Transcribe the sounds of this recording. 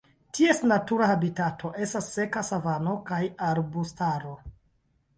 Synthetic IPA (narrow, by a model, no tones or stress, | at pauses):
tie̞snatuɾahabitatʰo̞ʔe̞stasːe̞kasavano̞kajaɾbustaɾo̞